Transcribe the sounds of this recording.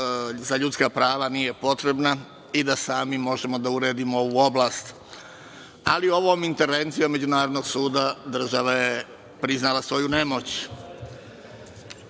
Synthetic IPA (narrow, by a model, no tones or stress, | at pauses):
zaʎut̪skapɾaːʋanije̞po̞t̪ɾe̞bna | id̪asaːmimo̞ʒe̞mo̞d̪auɾe̞ːd̪imoo̞ʋuːo̞blaːst̪ | alio̞ʋomint̪e̞ɾʋe̞nt̪sijo̞mːe̞d͡ʑunaːɾod̪no̞ɡsuːd̪ad̪r̩ʒaʋaje̞ | pɾiznalasʋo̞june̞mo̞t͡ɕ